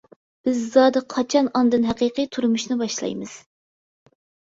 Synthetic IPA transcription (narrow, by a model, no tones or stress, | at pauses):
b̥ɪzːɑːd̪ɨqʰːɑt͡ʃʰɑnɑnd̪ɨnɦæqiqɨjt̪ʰuɾumuʃnɨbɑʃlˠɑ̰jmɨz̥